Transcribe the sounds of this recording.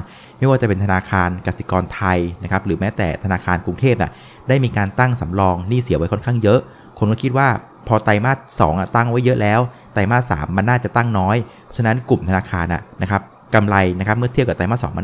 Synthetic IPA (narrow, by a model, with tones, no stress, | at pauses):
ma˥˩jwaː˥˩t͡ɕa˨˩pe˧nt̪ʰa˧naː˧kʰaː˧nka˨˩t̪̚si̥˨˩kɔː˧nt̪ʰa˧jna˦˥kʰa˦˥p̚ɾɯː˩˦mɛː˦˥t̪ɛ̰ː˨˩t̪ʰa˧naː˧kʰaː˧nku˧ŋt̪ʰeː˥˩p̚nḭ˨˩ | da˥˩jmiː˧kaː˧nt̪a˥˩ŋsa˩˦mɾɔː˧ŋniː˥˩si˩˦wa˦˥jkʰɔ˥˩nkʰaː˥˩ŋjɤ˦˥ʔ | kʰo˧nkɔ˥˩kʰi˦˥t̪̚waː˥˩ | pʰɔː˧t̪a˧jmaː˥˩t̪̚sɔ̰ː˩˦ŋʔa̰˨˩t̪a˥˩ŋwa˦˥jːɤ˦˥ʔlɛː˦˥w | t̪a˧jmaː˥˩sa̰ː˩˦mːa˧nːaː˥˩t͡ɕa˨˩t̪a˥˩ŋnɔː˦˥jpʰɔ˦˥t͡ɕʰa˧na˦˥nku˨˩mt̪ʰa˧naː˧kʰaː˧nʔa̰˨˩na˦˥kʰa˦˥p̚ | ka˧mla˧jna˦˥kʰa˦˥mɯ˥˩t̪ʰi˥˩ka˨˩t̪a˧jmaː˥˩sɔ̰˩˦ma˧